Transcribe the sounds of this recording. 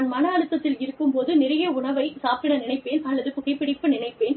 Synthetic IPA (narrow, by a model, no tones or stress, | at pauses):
nmɐnɐːɳɯt̪ːɐt̪ːɪlɪɾɯkːɯmpoːðɯnɪɾɐjɐʊɳɐʋɐɪsaːpɪɳɐnɪɳɐɪpːeːnɐlːɐðɯpʊɣɐɪpːɪɽɪpːɯnɪɳɐɪpːeːn